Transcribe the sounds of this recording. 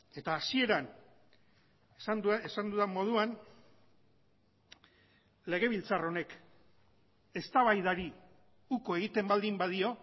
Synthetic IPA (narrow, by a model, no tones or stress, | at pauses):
e̞t̪aːsie̞ɾan | esand̪uðamo̞ð̞uan | le̞ɣ̞e̞β̞ilt͡saro̞ne̞k | e̞st̪aβajðaɾi | uko̞e̞ɣ̞it̪e̞mbald̪imbaðio̞